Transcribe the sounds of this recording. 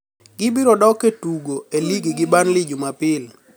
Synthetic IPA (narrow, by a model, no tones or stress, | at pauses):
ɡ̥ɪbiɾɔdɔketuɡoeliɡiɡɪbanlɪd͡ʒumapɪl